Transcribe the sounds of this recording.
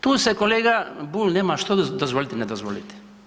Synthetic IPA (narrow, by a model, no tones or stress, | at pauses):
t̪uːsekoleːɡabulʲneːmaʃt̪od̪ozʋolit̪ɛned̪ozʋolit̪ɛ̥